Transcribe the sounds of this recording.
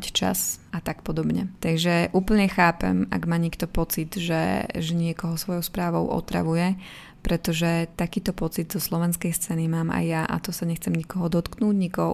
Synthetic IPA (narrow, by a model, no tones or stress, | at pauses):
ct͡ʃa̰sat̪akpɔd̪ɔbɲɛt̪aɡʒɛʔuːpl̩ɲɛxaːpɛ̰ma̰ɡmaːɲikt̪ɔpɔt͡sid̪ʒɛ̰ʒɛɲɪɛkɔɦɔsʋɔjɔʊspɾaːʋɔʊʔɔ̰t̪ɾa̰ʋujɛ | pɾɛt̪ɔʒɛt̪akiːt̪ɔpɔt͡sid̪zɔslɔʋɛnskɛjst͡sɛːnimaːma̰jːaʔa̰t̪ɔsaɲɛxt͡sɛmɲikɔɦɔd̪ɔt̪knuːɟɲikɔɦɔ̰